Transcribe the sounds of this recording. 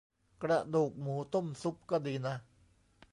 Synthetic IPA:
kɾa˧˩ʔduː˨˩k̚muː˨˦t̪o˥˩˨msu˦˥p̚kɔː˥˧˩diː˧˦na˦

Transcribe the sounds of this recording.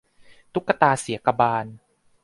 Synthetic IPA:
t̪u˦˥kːa˧t̪aː˧si˩˦ɐka˧baː˧n

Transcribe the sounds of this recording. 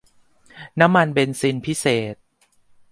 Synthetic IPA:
na˦˥mːa˧nbe˧nsi˧npʰi˦˥seː˨˩t̪̚

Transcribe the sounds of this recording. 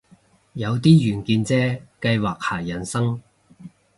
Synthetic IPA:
jɐ˨˧wt̪iː˥jyː˨˩nkiː˧nt͡sɛː˥kɐ˧jwaː˨˩k̚haː˨˩jɐ˨˩nsɐ˥ŋ

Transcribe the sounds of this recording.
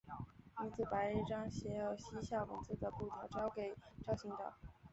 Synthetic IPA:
i˧˥nt͡sɹ̩˥˩pa˧˥ɪi˥˩ʈ͡ʂɑ˥ŋɕjɛ˧˥jo˧˩ʊɕi˥ɕjɑ˥˩ʊwə̰˧˥nt͡sɹ̩˥˩d̪ə˩pu˥˩t̪ʰjɑ˧˥ʊʈ͡ʂɑ˥ʊke˨˩ɪʈ͡ʂɑ˥ʊɕi˧˥ŋt̪ɑ̰˥˩ʊ

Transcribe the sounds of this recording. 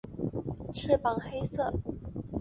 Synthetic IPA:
t͡ɕʰɥɛ˥˩pɑ˨˩ŋxe˥ɪsɤ˥˩

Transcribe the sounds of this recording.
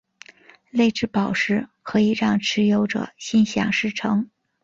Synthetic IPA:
le˥˧ɪʈ͡ʂɻ̩˥˩pɑ˨˩ʊʂɻ̩˥˩kʰɤ˧˥i˨˩ɻɑ˥˩ŋʈ͡ʂʰɻ̩˧˥jo˧˥ʊʈ͡ʂɤ̰˨˩ɕi˥nɕjɑ̰˨˩ŋʂɻ̩˥˩ʈ͡ʂʰɤ˧˥ŋ

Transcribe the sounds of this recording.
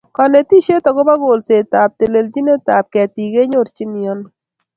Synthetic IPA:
kɔ˨nɛ˨ti˦ʃe˦tɔ˨kɔ˦ba˦ɡo˨lse˨ta˨p̚te˨le˨ld͡ʒi˦ne˦ta˨p̚kɛ˨ti˨ɡe˦ɲo˦˨ɾt͡ʃi˦ni˨ɔ˦n

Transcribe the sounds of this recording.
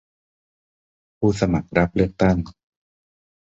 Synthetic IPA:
pʰuː˥˩sa˧ma˨˩k̚ɾa˦˥p̚lɯ˥˩ək̚t̪a˥˩ŋ

